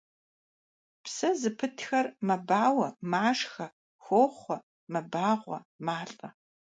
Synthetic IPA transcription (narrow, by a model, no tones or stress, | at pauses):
psɐzɨpʰɨtʰxɐrmɐbaːwɐmaːʂxɐ | xʷoːχʷɔ | mɐbaːʁʷɔ̰maːɬʼɐ